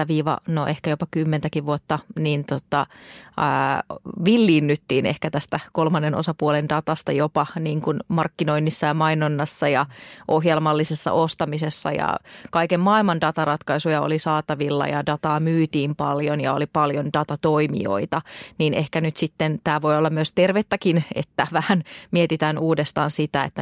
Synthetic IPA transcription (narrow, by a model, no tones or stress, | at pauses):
æʋiːʋɑ̰noʔehkæjopɑkymːent̪ækiʋʋuot̪ːɑniːnt̪ot̪ɑ | ʋilːiːnːyt̪ːiːnḛhkæt̪æst̪ækolmɑnːeno̰sɑpuolendɑt̪ɑst̪ɑjopɑniːŋkunmɑrkːinoinːisːɑjɑmɑinonːɑsːɑjɑʔohjelmɑlːisesːɑ̰ʔost̪ɑmisesːɑ̰jɑ̰kɑikemmɑːilmɑndɑt̪ɑrɑt̪kɑisujɑo̰lisɑːt̪ɑʋilːɑ̰jɑ̰dɑt̪ɑːmyːt̪iːmpɑljonjɑolipɑljondɑt̪ɑt̪oimḭo̰it̪ɑniːnehkænyt̪sit̪ːent̪æːʋo̞jolːɑmmyøst̪erʋet̪ːækinḛt̪ːæʋæhænmiet̪it̪æːnuːdest̪ɑ̰ːnsit̪æḛt̪ːæ